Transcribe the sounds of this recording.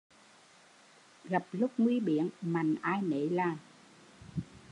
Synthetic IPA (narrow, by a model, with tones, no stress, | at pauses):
ɣa˨˩p̚lʊ˦˥k͡p̚ŋwi˧ɓḭ˧˨˥ənma˨˩ŋʔaː˧jnḛ˧˨˦laː˨˩ŋ